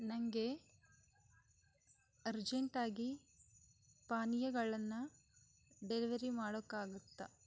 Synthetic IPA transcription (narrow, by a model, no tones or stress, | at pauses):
nɐŋɡe | ɐɾd͡ʒeɳʈaːɡi | paːnijɐɡɐɭɐnːu | ɖeliʋɐɾimaːɽokːaːɡut̪ːɐ